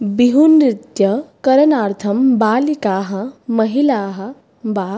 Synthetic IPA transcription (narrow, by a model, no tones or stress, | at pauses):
biɦunɾit̪jɐkɐɾɐnaːɾt̪ʰɐmbaːlikaːɦɐmɐɦilaːɦɐ | baː